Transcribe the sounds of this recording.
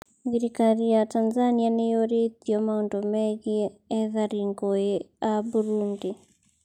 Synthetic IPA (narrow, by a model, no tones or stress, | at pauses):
ɡiɾikaɾijatanzanianejoɾetiɔmaondomɛɣiɛðaɾiŋɡoeabuɾundi